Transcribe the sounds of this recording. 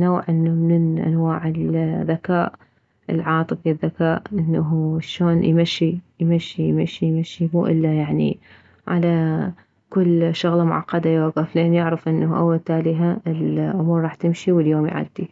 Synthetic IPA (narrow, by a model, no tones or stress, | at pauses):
noːʕʔɪnːamɪnɪnʔa̰nwaːʕɪlðːakaːʔ | ʔɪ̰lʕɑːt̪ˤɨfiðːakaːʔʔɪnːaɦʃoːnjmaʃːijmaʃːijmaʃijmaʃimṵːʔɪlːajaʕnḭ | ʕa̰la | kʊlːʃʊɣlɑmʊ̰ʕɑ̰qːɑd̪ajoːɡafleːnjɪʕɾɪfʔɪnːaʔa̰wːalt̪aːliːɦaɪlʔʊmuːɾˤɾˤɑːħt̪ɪmʃiwɪljoːmj̰ʕa̰d̪ːi